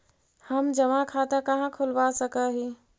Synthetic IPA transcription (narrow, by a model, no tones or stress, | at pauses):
həmd͡ʒəʋãkʰat̪akəɦãkʰulʋasəkəɦi